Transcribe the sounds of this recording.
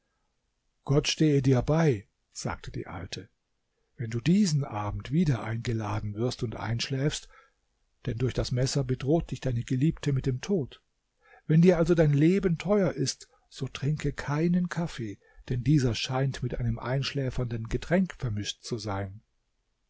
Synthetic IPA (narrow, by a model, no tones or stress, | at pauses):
ɡ̥ɔtʃteːədiːɐbaɪ | z̥a̰ːk̚tʰəd̥ḭːʔa̰ltʰə | vɛnduːdiːzn̩ʔaːbm̩tv̥iːdɐʔaɪnɡəlaːdn̩vɪɐstʊntʔa̰ɪnʃlɛːfst | d̥ɛndʊɐçd̥asmɛsɐbədʁoːt̚d̥ɪçd̥aɪnəɡəliːptʰəmɪt̚d̥eːmtʰoːt | vɛndiːɐʔalzodaɪnleːbəntʰɔʏɐʔɪst | z̥oːtʁ̥ɪŋkəkʰaɪnənkʰafeː | d̥ɛndiːzɐʃaɪntmɪtʔaɪnəmʔa̰ɪnʃlɛːfɐndənɡətʁ̥ɛŋkfɛɐmɪʃtt͡suzaɪn